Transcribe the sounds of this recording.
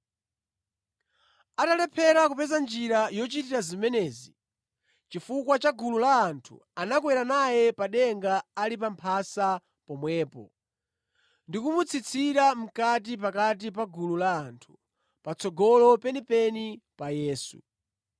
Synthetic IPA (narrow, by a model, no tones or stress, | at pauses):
atalɛpʰɛɾakupɛzand͡ʒiɾajɔt͡ʃitiɾazimɛnɛːzi | t͡ʃifukwat͡ʃaɡululaːntʰṵanakwɛɾanajɛpaɗɛŋɡaːlipampʰasa | pɔmwɛːpɔ̰ | ndikumut͡sʰit͡sʰiɾam̩kat̬ip̬akat̬ip̬aɡululaːntʰu̥ | pat͡sʰɔɡɔlɔpɛnipɛnipajɛːsṵ